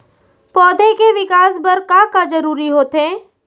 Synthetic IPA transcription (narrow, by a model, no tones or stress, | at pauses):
pɔːd̪ekeʋɪkaːsbɐɾkãːkad͡ʒɐɾuːɾiɦoːt̪ɦẽː